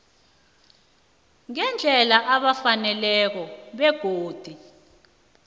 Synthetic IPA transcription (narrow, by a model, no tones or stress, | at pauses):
ŋɛnd͡ɮʱɛlaʔaɓafanɛlɛk̬ɔɓɛɡ̥ʱoːd̥ʱi